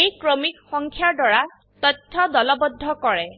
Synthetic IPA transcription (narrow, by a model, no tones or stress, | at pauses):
ejkɹomikxɔŋkʰjaɹdwaɹa | t̪ɔt̪ʰːɔd̪ɔlɔbɔd̪ʱːɔkɔɹɛ